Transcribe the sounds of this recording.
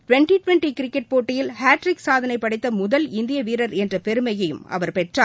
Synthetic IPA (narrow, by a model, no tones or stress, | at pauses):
ʈʋɛɳʈiʈʋɛɳʈikɪɾɪkːɛʈ̚poːʈːɪjɪlhaːʈɾɪksaːðɐnɐɪpːɐɽɐɪt̪ːɐmʊðɐlɪnd̪ɪjɐʋiːɾɐɾɛndrɐpɛɾɯmɐjɐjɯ̰mʔɐ̰ʋɐɾpɛʈraː